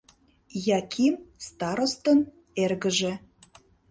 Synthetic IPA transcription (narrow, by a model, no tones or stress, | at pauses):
jɑkʰimst̪ɑɾost̪ən | erɣə̆ʒĕ